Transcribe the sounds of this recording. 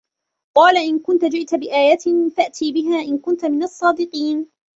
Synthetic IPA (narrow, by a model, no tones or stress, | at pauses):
qɑːlaʔɪnkʊnt̪ad͡ʒɪʔt̪abɪʔaːjat̪ɪnfaʔt̪ʰiːbɪɦaːʔɪnkʊnt̪amɪnɑsˤːɑːd̪ɪqiːn